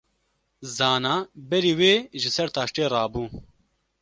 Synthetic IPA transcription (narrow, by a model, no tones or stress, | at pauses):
zaːnaːbɛɾiːweːʒɪsɛɾt̪aːʃʈeːɾɑːbuː